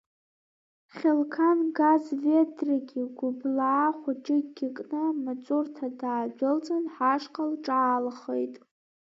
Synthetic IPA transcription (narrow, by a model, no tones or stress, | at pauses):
χʲelkʰanɡazvedraɡʲiɡʷʊblaːχʷaʈ͡ʂʼɪɡʲɪkʼnɨmat͡sʷʼurtʰadaːd͡ʒʷᶣʊlt͡sʼanħaʂqʼalʈ͡ʂʼaːlχejtʼ